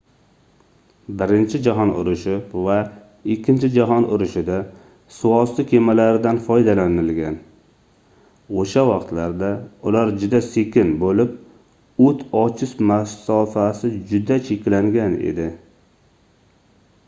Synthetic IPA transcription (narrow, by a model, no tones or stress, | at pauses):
bɪɾɪnt͡ʃʰɪd͡ʒaɦɒnʊ̰ɾʊʃɪpva | ɪkʲːɪnt͡ʃʰɪd͡ʒaɦɒnʊɾɪʃɪd̪a | sʊɒsɪkʲʰe̞malaɾɪd̪anfɒjd̪alanɪlɡʲan | oʃawɑqt̪laɾd̪aʊlaɾd͡ʒʊd̪ase̞kʲʰɪnbolɪp̚ | ʊt̪ʰɒt͡ʃʰɪʃmasɒfasɪd͡ʒʊd̪at͡ʃʰe̞kʲlaŋɡʲanḛd̪ɪ